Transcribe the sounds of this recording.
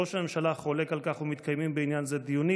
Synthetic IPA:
oʃame̞mʃalaχole̞kalkaχumit̪kʰajmimbeinjanzed̪ijuni

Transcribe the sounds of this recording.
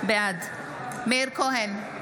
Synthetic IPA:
bjad̪ | meɾkʰoɦɛn

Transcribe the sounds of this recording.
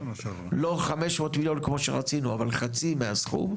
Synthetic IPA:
lo̞χameʃmoːtmilo̞nkmo̞ʃeʁat͡sinuavalχat͡simeasχṵm

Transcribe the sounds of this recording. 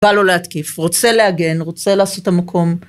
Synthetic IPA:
aloleat̪kifʁot͡selehaɡe̞nʁo̞t͡se̞laːso̞tamakʰo̞m

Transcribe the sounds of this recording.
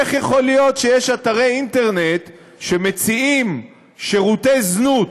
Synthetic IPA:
eχjeχo̞lijo̞t̪ʃe̞jeʃat̪aʁejinte̞ʁnet̪ | ʃe̞met͡siim | ʃeʁutejznut

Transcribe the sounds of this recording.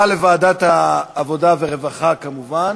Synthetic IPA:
alevaːdat̪aːvo̞daveʁevaχakamuvan

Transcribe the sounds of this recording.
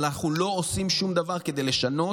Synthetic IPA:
naχnulo̞osimʃumd̪avaʁke̞d̪e̞jle̞ʃano̞

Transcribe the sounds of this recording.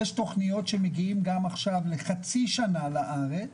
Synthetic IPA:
jeʃto̞χnijo̞tʃe̞meɡiimɡamaχʃavleχat͡siʃanalaʔaʁet͡s

